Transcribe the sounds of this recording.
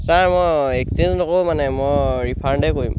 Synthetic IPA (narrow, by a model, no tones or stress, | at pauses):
saɹmɔjeksinzɔntokomanɛmɔjɹipʰaɹndɛkoɹḭ̃m